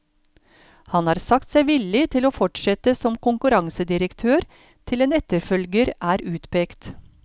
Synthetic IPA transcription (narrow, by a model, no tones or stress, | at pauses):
hɑnhɑːɾsɑkt̪sæɪʋɪlːɪt̪ʰɪloːfɔʈʂɛt̪əsɔmkʰʊŋkʉɾɑŋsəd̪ɪɾəkt̪ʰøːɾ | t̪ʰɪleːnɛt̪əɾfœlɡəɾʔæːɾʉːt̪pʰɛkt̪